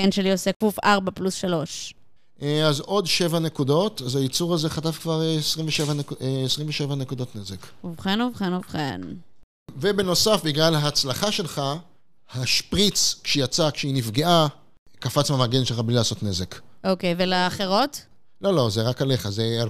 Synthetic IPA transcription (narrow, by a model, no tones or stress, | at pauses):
enʃeliosekufaʁbaplusʃalo̞ʃ | ʔazo̞dʃe̞vanekudo̞tazajit͡suʁazeχatafkvaʁeesʁimveʃevankeesʁiɱveʃe̞vanekudo̞tnezekuvχenuvχenuvχḛn | vebe̞no̞safbiɡlalhaːt͡slaχaʃe̞lχa | haʃpʁit͡skʃejat͡sakʃeinifɡeʔa | kafat͡smamaɡenʃelχablilaːso̞tne̞zekʔokejvelaːχeʁo̞t | lo̞lo̞zeʁakale̞χazea